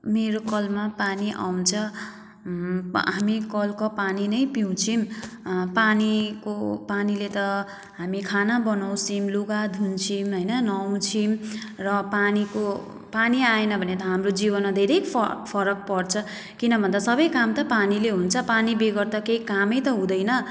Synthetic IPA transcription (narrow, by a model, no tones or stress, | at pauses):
meɾokʌlmapaniʔa̰w̃t͡sʰʌ | ɦamikʌlkopaninʌjpiw̃t͡sʰimpanikopanilet̪ʌ | ɦamikʰanabʌnaw̃simluɡad̪ʱunt͡sʰimɦʌjnʌnʌw̃t͡sʰimrʌpaniko | paniaenʌbʱʌnet̪ʌɦamrod͡zibʌnmad̪ʱeɾejpʰʌpʰʌɾʌk̚pʌrt͡sʰʌ | kinʌbʱʌnd̪asʌbʌjkamt̪ʌpanileɦunt͡sʰʌpanibeɡʌrt̪ʌkeikamʌjt̪ʌɦũd̪ʌjnʌ